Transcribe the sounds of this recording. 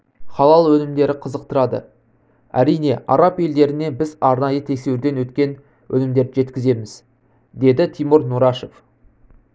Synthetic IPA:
χɑlˠɑlˠwɵnɪmd̪e̞ɾɪqʰəzəq̚t̪əɾɑd̪ə̰ | æ̰ɾijne̞ɑ̰ɾɑpe̞ld̪e̞ɾɪne̞bɪzɑɾnɑjət̪ʰe̞sewɾd̪e̞nwɵt̪kʲe̞n | wʔɵ̰nɪmd̪e̞ɾɪʒe̞t̪kʲɪze̞mɪz̥ | d̪e̞d̪ɪt̪ʰijmʊɾnuɾɑʃef

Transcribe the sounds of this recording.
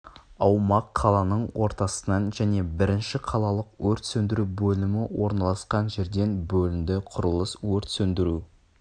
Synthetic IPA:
ɑwmɑqʰːɑlˠɑnəɴwo̞ɾt̪ɑsənɑnʒæne̞bɪɾɪnʃɪqʰɑlˠɑlˠəqwɵɾt̪sɵnd̪ɪɾubɵlɪmɪwo̞ɾnɑlˠɑsqɑnʒe̞ɾd̪e̞nbɵlɪmd̪ɪqʰʊɾəlˠəswɵɾt̪sɵnd̪ɪɾu

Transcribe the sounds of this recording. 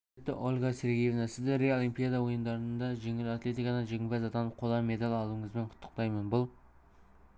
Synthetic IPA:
et̪ːɪ̰ʔo̞lʲˠɡɑse̞ɾɡʲejevnɑsɪzd̪ɪɾeolˠimpijad̪ɑwo̞jənd̪ɑɾənd̪ɑʒe̞ŋɪlat̪lʲe̞t̪ijkɑd̪ɑnʒeɡʲɪbæzɑt̪ɑnəqʰo̞lˠɑme̞d̪alʲɑlˠuəɴəzbe̞ɴqʰʊ̥t̪ʰːə̥qt̪ɑjmənbʊlˠ

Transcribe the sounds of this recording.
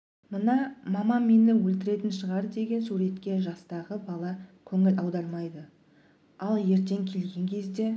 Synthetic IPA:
mənɑmɑmɑmenlɪwɵlt̪ɪɾe̞t̪ɪnʃəʁɑɾd̪e̞ɡʲe̞nsuɾe̞t̪kʲe̞ʒɑst̪ɑʁəbɑlˠɑkʲʰɵŋɪlɑwd̪ɑɾmɑjd̪ə | ɑlˠje̞ɾt̪e̞ŋkʲʰe̞lɡʲe̞ŋkʲʰe̞zd̪e̞

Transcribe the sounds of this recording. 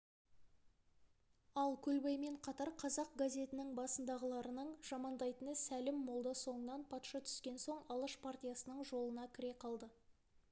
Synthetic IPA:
ɑlˠkʲʰɵlbɑjme̞ɴqʰɑt̪ɑɾqʰɑzɑq̚ɡazʲe̞t̪ɪnɪŋbɑsənd̪ɑʁəlˠɑɾənəɴʒ̥ɑmɑnd̪ɑjt̪ənəsælɪmːolˠd̪əso̞ɴənɑnpʰɑt̪ʃɑt̪ʰʏ̥skʲe̞nso̞ɴɑlˠəʃpʰartʲijasənəɴʒo̞lˠənɑkʲʰɪɾe̞qʰɑlˠd̪ə

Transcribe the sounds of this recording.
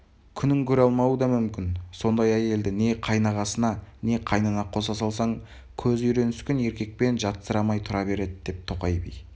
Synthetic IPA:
kʲʰʏnɪŋkʲʰɵɾɑlˠmɑwəd̪ɑmʏmkʲɪnso̞nd̪ɑjæje̞ld̪ɪne̞qʰɑjnɑʁɑsənɑne̞qʰɑjnənɑqʰo̞sɑsɑlˠsɑɴ | kʲʰɵzʏjɾe̞nɪskʲɪne̞ɾkʲe̞k̚pe̞nʒɑt̪səɾɑmɑjt̪ʰʊɾɑbe̞ɾe̞d̪ɪd̪e̞p̚t̪ʰo̞qɑjbḭj

